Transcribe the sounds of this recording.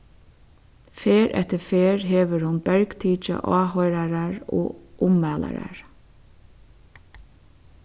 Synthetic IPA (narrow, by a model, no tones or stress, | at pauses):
feːɾʔɛ̰t̪əfeːɹɦeːʋəɹhʊnbɛɹɡt̪ʰiːt͡ʃə̰ʔɑːhɔjɾaɾaɹo̰ːʔʊmːæːla̰ɾa̰ɹ